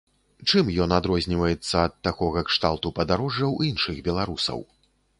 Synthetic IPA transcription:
t͡ʂɨmjɔnad̪ɾɔzʲnʲivɐjɛt̪sːɐːt̪ːakɔɣɐkʂt̪alˠt̪upɐd̪aɾɔʐːɐwinʂɨɣbʲɛlˠaɾusɐ̰w

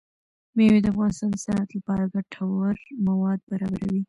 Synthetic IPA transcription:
mewed̪əafɣɑnɪst̪ɑnd̪əsanat̪lapɑɾaɡaʈʰawaɾmawɑd̪̚baɾɑbaɾawi

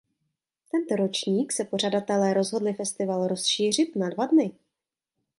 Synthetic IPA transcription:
t̪ɛnt̪oɾo̞t͡ʃɲiːksɛpo̞r̝adat̪ɛlɛːɾo̞zɦo̞dlɪfɛst̪ɪvalɾo̞sʃiːr̝ɪt̪nadvadnɪ

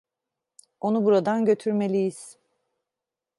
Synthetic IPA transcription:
o̞nubuɾad̪anɟø̞t̪ʰyɾme̞lʲijiz̥

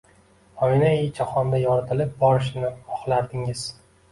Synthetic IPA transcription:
ɒjnajɪt͡ʃʰaχɒnd̪ajɒɾat̪ʰɪlɪp̚bɒɾɪʃnɪɒχlˠaɾd̪ɪŋɪz̥

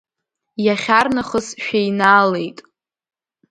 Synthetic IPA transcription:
jaχʲarnaχəsʃᶣejnaːle̞jtʼ

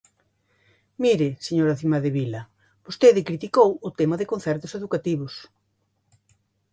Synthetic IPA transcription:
miɾɪseɲoɾɐθimɐðɪβilɐ | b̥ost̪eðɪkɾit̪ikowʊt̪emɐðɪkon̟θɛɾt̪ʊ̥seðukat̪iβʊs

